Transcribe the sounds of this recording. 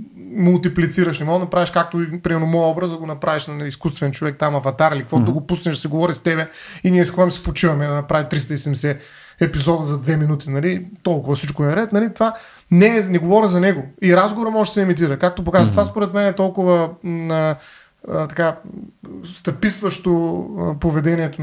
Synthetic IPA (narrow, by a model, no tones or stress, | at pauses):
mulˠt̪iplit̪siɾəʃnɛmɔɡd̪ɐnɐpɾaviʃkak̚t̪oipɾimɛɾnomɔjɔbɾəzd̪ɐɡonɐpɾaviʃnɐiskust̪vɛnt͡ʃovɛk̚t̪amɐvɐt̪aɾilik̚kvɔd̪ɐɡopusnɛʃd̪sɛɡovɔɾist̪ɛbɛiniɛskvamsɛ̥pot͡ʃivɐmɛd̪ɐnɐpɾavit̪ɾist̪ɐisɛd̪mɛsɛ | ɛpizɔd̪əzɐd̪vɛminut̪inɐlit̪ɔlˠkʊvɐsit͡ʃkoɛnɾɛt̪nɐlit̪ova | nɛːnɛɡovɔɾʲəzɐnɛɡoiɾazɡovoɾɐmɔʒɛd̪ɐsɛmit̪̬iɾɐkak̚t̪op̬okazvɐt̪vaspoɾɛt̪mɛnɛt̪ɔlˠkʊvɐə | t̪ɐka | st̪ɐpisvɐʃt̪opovɛd̪ɛniɛt̪o